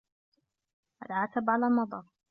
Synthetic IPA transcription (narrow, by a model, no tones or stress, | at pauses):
ʔa̰lʕaːt̪abʕalaːmɑd̪ˤɑɾˤ